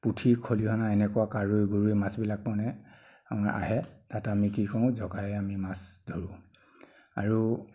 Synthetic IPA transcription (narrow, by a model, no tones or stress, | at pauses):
putʰikʰoliɦɔnaɛnɛkɔwakaɹujɡoɹujmasbilak̚mɔnɛ | maʔa̰ɦɛtatamikikɔʊ̃zɔɡaɛamimasdʱoɹʊ̃ | a̰ɹu